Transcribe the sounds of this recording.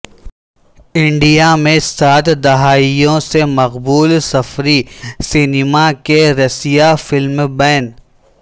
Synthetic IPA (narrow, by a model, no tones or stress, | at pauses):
ɪ̃ɳɖijamẽsaːt̪ʰd̪ɐɦaːijõsemɐqbuːlsɐfɾisɪnɪmakeɾɐsijafɪlmbɛːn